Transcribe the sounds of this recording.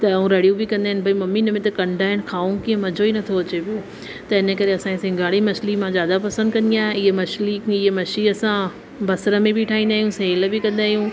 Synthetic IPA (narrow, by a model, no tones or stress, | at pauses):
t̪ɐũɾɐɽijũbɪkɐ̃nd̪aɦɪnɪ̆bʱɐimɐmiːnəmẽt̪ɐkɐ̃ɳɖʱaːɦɪnɪ̆kʰaːũkiɦə̃mɐd͡ʑʱoinɐt̪ʰoɐt͡ɕepio | t̪ɐɪnəkɐɾeɐsãsɪ̃ŋɡʱaːɽimɐslimãzjaːd̪apɐsə̃nd̪kɐ̃nd̪ijãːɦɪɦemɐʃlikɪɦemɐʃiɐsã | bɐsɾə̆mẽbiʈʰaːĩn̆d̪aːɦjũsɐɦɪləbɪkɐ̃nd̪aːɦjũ